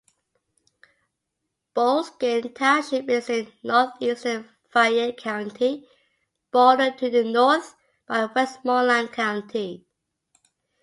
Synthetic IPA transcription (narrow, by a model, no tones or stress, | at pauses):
b̥olsɡ̥entʰaʃɪpɪsɪ̃nnɔˑθistə | faɪəkʰãʊ̃ntʰi | b̥ɔːɾəd̚tʰuðənɔˑθ | b̥aɪwɛstmɔlãnkʰãʊ̃ntʰi